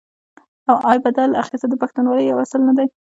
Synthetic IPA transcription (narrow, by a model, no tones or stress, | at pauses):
awʔɑjbad̪ala̰xist̪ad̪əpaxt̪unwɑləjːawasəlnad̪aj